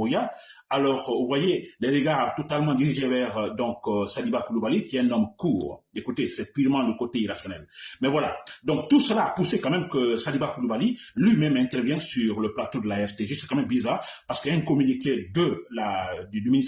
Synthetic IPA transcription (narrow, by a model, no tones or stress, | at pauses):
ija | alɔʁuvwajeleʁəɡaʁt̪ɔt̪almɑ̃d̪iʁiʒevɛʁd̪ɔ̃ksalibakulubalikʲiɛɛ̃nɔmkuːʁekut̪esɛpyʁmɑ̃ləkot̪eiʁasjɔnɛlmɛvwala̰d̪ɔ̃k̚t̪usəlaːpusekãmɛmkəsalibakulubalilɥimɛmɛ̃t̪ɛʁvjɛ̃syʁləplat̪od̪əlaɛʁt̪eʒesɛ̥kãmɛmbizaːʁpaʁsə̥kɛ̃kɔmyniked̪əlad̪yd̪ymini